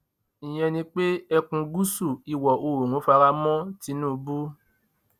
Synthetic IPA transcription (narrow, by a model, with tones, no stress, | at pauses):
ĩ˨j̃ɛ̃˧nĩ˧k͡pe˦ɛ˧kũ˧ɡu˦su˦˨i˨wɔ˨o˧ɾo˨nũ˨˦fa˧ɾa˧mɔ̃˦ti˨˦nũ˦˧bu˦